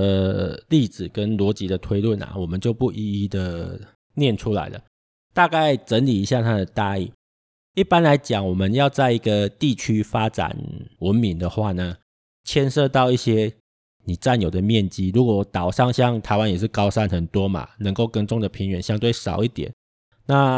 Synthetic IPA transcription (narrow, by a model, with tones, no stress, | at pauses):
əli˥˩d͡zɹ̩˨˩kə˦˥nlwɔ˧˥t͡ɕi˧˥d̪ə˨t̪ʰwe˥ɪlwə˥˩na̰˩wɔ˨˩mə˨nt͡ɕjo˥˧ʊpu˥˩ʔi˧i˦d̪ə˨ | njɛ˥˩nʈ͡ʂʰu˦la̰˧˦ɪlə̰˨ | t̪a˥˧ka˥˩ɪʈ͡ʂə˧˦nli˨˩i˧˦ɕja˥˧˩t̪ʰa˥d̪ə˨˩t̪a˥˧ḭ˥˩ | i˥˩pa˥˦nla˧˥ɪt͡ɕjɑ˨˩ŋwɔ˨˩mə˦njɑ˥˧ʊt͡sa˥˩ɪi˧˦˥ɡə˨t̪i˥˩t͡ɕʰy˥fa˦ʈ͡ʂa̰˨˩˦nwə˧˥nmi˨˥ŋd̪ə˨xwa˥˩nə˩ | t͡ɕʰjɛ˥nʂɤ˥˧t̪ɑ˥˧ʊi˥˩ɕjɛ˥ | ni˨˩t͡sa˥˩njo˨˩d̪ə˩mjɛ˥˨˩nt͡ɕi˥ɻu˧˥kwɔ˨˩t̪ɑ˨˩ʊʂɑ˥˩ŋɕjɑ˥˨ŋt̪ʰa˨˧ɪwa˦njɛ˨˩ʂ̬̩˥˩kɑ˥ʊʂa˥˧nxə˨˩nt̪wɔ˦˥ma̰˨nə˧˦ŋko˥˩ʊkə˦nʈ͡ʂo˥˩ŋd̪ə˩pʰi˨˥ŋɥɛ˧˨˥nɕjɑ˥ŋt̪we˥˩ɪʂɑ˨˩ʊi˥˩t̪jɛ̰˨˩˦n | na˥˨